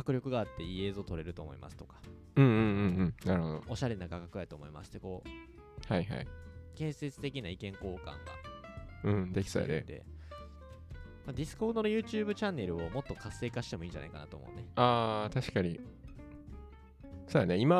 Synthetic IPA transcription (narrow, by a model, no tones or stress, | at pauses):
kakɯ̟ɾʲo̞kɯ̟ɡaːt̪ːe̞ie̞ːzo̞ːt̪o̞ɾe̞ɾɯ̟t̪o̞ːmo̞̰ḭmʔa̰sɨ̥t̪o̞̥kḁ | ɯ̟̃ːɴɯ̃ɯ̟̃ɴɯ̟̃ɴnaɾɯ̟ho̞d̪o̰oɕaɾe̞naɡakakɯat̪oːmo̞ima̰ɕi̥t̪ːeko̞ː | haiha̰ikẽ̞ɰ̃se̞t͡sɨ̥t̪e̞kʲinaikẽ̞ŋko̞ːkã̰ŋɡa̰ɯ̟̃ːd̪e̞kʲi̥soja̰ned̪e̞̰ | mad̪ʲisɨ̥ko̞ːnoɾojɯ̟ːt͡ɕɨːbɯ̟t͡ɕãnːe̞ɾɯ̟o̞mo̞t̪ːo̞kʰasːe̞ːkaɕi̥t̪e̞mo̞iːɲd͡ʑa̰na̰ikana̰t̪oːmo̞̰ɯ̟̰neaːt̪aɕi̥kaɲ̟i | soːjaneima